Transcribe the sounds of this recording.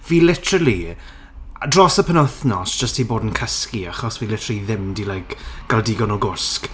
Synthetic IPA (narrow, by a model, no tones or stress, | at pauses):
viːlɪtʰəəlˠi | drɔsəpʰənəθnɔsd̥ʒ̥əsthiboːdənkʰəskiaχɔsviːlɪtʰrəlˠiðɪmdilajkɡ̥alˠdiɡɔnɔɡʊsk